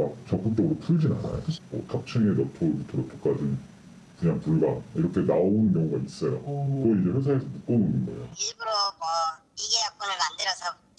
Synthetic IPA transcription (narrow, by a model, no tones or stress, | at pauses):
mak̚t͡ɕʌk͈up̚t͡ɕ͈ʌɡɯɾopʰuɭd͡ʑina̰na̰jo̰mʌtʰak̚t͡ɕʰɯŋejʌtʰoɭbutʰoɾotʰo̥k͈ad͡ʑɯn | kɯɲaŋpuɭbaiɾʌkʰe̞naounɯnkjʌŋuɡais͈ʌjokɯɡʌid͡ʑeɸwesʰaesʰʌmuk̚k͈ounɯnɡʌḛo̰ibɯɾomʌ | iɡejʌk̚k͈ʌnɯɭmandɯɾʌsʰʌ